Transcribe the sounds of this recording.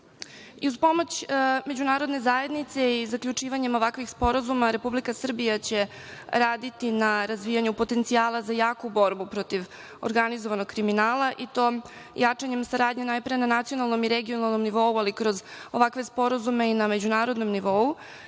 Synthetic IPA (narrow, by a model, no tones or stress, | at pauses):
iuzpo̞mo̞t͡ɕme̞d͡ʑunaːɾo̞d̪ne̞zaːe̞d̪nit̪se̞izakʎut͡ʂiːʋaɲe̞mo̞ʋakʋixspo̞ɾazumaɾe̞publikasr̩bijat͡ɕe̞ | ɾaːd̪it̪inaɾazʋiːjaɲupo̞t̪e̞nt̪sijaːlˠazajaːkubo̞ɾbupɾo̞t̪iʋ | oɾɡanizo̞ʋano̞ɡkɾiminaːlˠaʔit̪o̞ːm | jat͡ʂaɲe̞msaɾaːd̪ɲenajpɾenanat̪sijonalˠno̞miɾeɡio̞nalˠno̞mniʋo̞ualikɾo̞zo̞ʋakʋe̞spo̞ɾazume̞iname̞d͡ʑunaːɾo̞d̪no̞mniʋo̞u